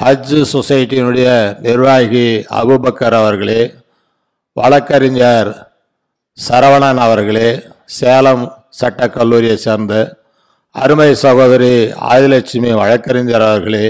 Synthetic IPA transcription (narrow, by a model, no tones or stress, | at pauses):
hɐd͡ʒɯsɔsɐjɪʈːiɪnɯɽɐjɐnɪɾʋaːjɣiɐ̰bɯbɐkːɐɾɐʋɐɾɣɐɭeː | ʋɐɭɐkːɐɾɪɲd͡ʒaɾ | sɐɾɐʋɐɳaːnɐʋɐɾɣɐɭeː | seːlɐm | sɐʈːɐkːɐlːuːɾɪjɐseːɾnd̪ɯ | ɐ̰ɾɯmɐɪsɐɣoːðɐɾia̰ːðɪlɐt͡ʃːɪmiʋɐɻɐkːɐɾɪɲd͡ʒɐɾɐʋɐɾɣɐɭeː